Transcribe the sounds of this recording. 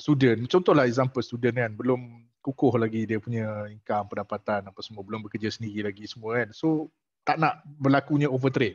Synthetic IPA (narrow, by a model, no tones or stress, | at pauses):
st̪udənt͡ʃɔnt̪ɔhlahɛzampəst̪udənkanbəlʊm | kukʊhlaɡidiəpuɲə̃iŋkampəndapat̪anapasəmuəbəlʊmbəkərd͡ʒəsəndiɾilaɡisəmuəkanso | t̪aʔnaʔbərlakuɲə̃ovət̪ɾet̪̚